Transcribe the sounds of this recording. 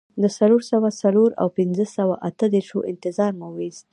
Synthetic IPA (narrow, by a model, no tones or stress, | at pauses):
d̪əsaloɾsawasaloɾa̰wpɪnzəsawaʔat̪əd̪eɾʃoʔɪ̰nt̪ɪzɑɾmawez